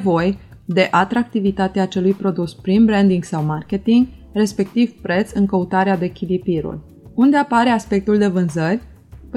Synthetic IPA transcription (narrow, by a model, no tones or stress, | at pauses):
vo̞jd̪e̞ʔat̪ɾak̚t̪ivit̪at̪eaːt͡ʃe̞lujpɾo̞d̪uspɾimbɾend̪iŋɡsawmarkʲe̞t̪iŋɡre̞spe̞k̚t̪ivpɾe̞t̪sɨŋkəut̪aɾead̪ekʲilipiɾṵl | und̪eapaɾe̞aspe̞k̚t̪uld̪e̞vɨnzərʲ | p